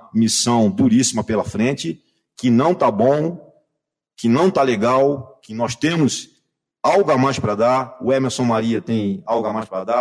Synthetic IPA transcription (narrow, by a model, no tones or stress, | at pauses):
misɐ̃w̃d̪uɾisimɐpelɐfɾẽt͡ʃɪ | kɪnɐ̃w̃t̪abõw̃ | kɪnɐ̃w̃t̪aleɡawkɪnɔst̪ẽmʊs | awɡʊamajspɾɐd̪aɾʊɛmeɾsõw̃maɾiɐt̪ẽj̃awɡamajspɾɐd̪a